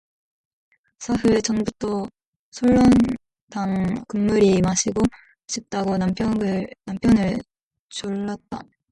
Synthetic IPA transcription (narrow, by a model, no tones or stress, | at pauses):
sʰaɦɯet͡ɕʌŋbut͈o | sʰoɭːʌn | daŋkɯmːuɾimaɕʰiɡo | ɕʰip̚t͈aɡonapʰjnampʰjʌnɯɭ | t͡ɕoɭːat̚t͈a̰